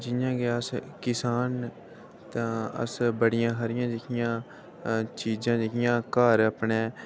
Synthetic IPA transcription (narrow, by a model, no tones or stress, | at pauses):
d͡ʒɪjãːɡeəskɪsaːn | t̪ãːə̰sbəɽɪjãːkʰəɾɪjãːd͡ʒɪkʰɪjãː | t͡ʃiːd͡ʒãːd͡ʒɪkʰɪjãːkaːɾəpɳeː